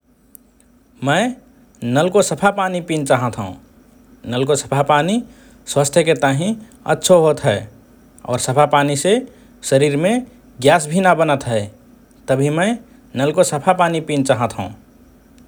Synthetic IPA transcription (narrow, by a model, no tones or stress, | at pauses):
mə̃ɪ | nəlkosəpʰapaːnipint͡ʃaːɦət̪ɦṵ̃ | nəlkosə̥pʰapaːni | swaːst̪ʰjəket̪əɦĩ | ə̰tːʃʰoɦoːt̪ɦɛː | ɔ̰ːɾsəpʰapaːnise | səɾiːɾmẽ | ɡjaːsbʱinabənət̪ɦɛ | t̪əbʱimə̃ɪ | nəlkosəpʰapaːnipint͡ʃaːɦət̪ɦṵ̃